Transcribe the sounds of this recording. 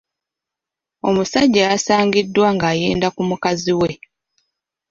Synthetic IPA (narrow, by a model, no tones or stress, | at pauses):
o̞musaɟːajasaːŋɡidːwaŋɡaːje̞ːndakumukaziwe̞